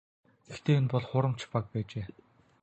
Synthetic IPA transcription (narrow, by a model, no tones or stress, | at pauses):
ɡ̥ext̪ʰeːʊnpɔɮχʊɾə̆m̥t͡ɕʰpak̚pæːt͡ɕeː